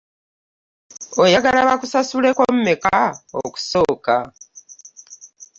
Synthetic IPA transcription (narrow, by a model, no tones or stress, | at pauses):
ojaɡalaβakusasule̞kommekaoku̥so̞ːka